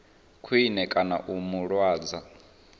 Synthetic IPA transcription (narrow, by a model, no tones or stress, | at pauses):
kʰuinɛkʼana̰ʔumuɺwaːd͡za